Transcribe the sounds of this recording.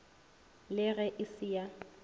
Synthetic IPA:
lɪɣɛʔɪsɪja

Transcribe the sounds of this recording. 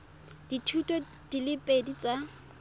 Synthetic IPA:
d̥itʰutʼɔ | d̥ilɪpʼedit͡sʼa

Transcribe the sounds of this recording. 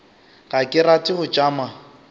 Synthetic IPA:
ɣakʼɪratʼɪɣʊt͡ʃʼaːma

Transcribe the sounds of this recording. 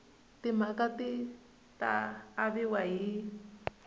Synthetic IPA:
t̪ɪmakat̪ɪ | t̪a̰ːβɪwai

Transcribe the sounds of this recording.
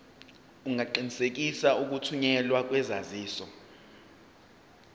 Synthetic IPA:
uŋʱaǃinisek̬isauk̬utʰuɲɛlwak̬ʼwɛzaziːsɔ

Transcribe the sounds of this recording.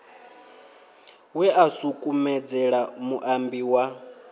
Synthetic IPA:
wɛasukʼumɛd͡zɛɺamuʔambiwa

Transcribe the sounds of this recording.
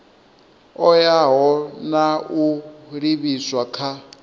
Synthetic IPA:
ɔjaɦɔnauɺiβiswakʰa

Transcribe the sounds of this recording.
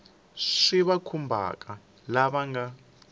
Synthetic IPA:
ʂiβakʰumbʱa̰kʼa | laβaŋɡa

